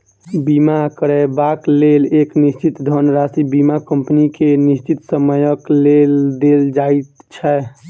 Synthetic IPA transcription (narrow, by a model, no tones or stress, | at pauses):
bimakəɾɛbakleleknist͡ʃit̪d̪ʱənɾasibimakəmpnikenist͡ʃit̪səməjəkleld̪eld͡ʒait̪t͡ʃʰɛ